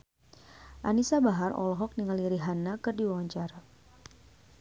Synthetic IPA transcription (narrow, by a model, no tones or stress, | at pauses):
ʔa̰nisabaɦarɔ̰lɔɦɔk̚niŋaliɾiɦanakɨrdiwawaɲt͡ʃaɾa